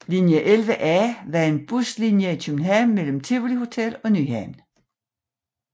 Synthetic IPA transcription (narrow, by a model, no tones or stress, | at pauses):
linjəʔelʋəʔæʋɑe̝nb̥uslinjəit͡sʰymnɦæmːel̰m̩t͡sʰe̝ʋliho̝t͡sʰel̰ɒ̽ny̰hæn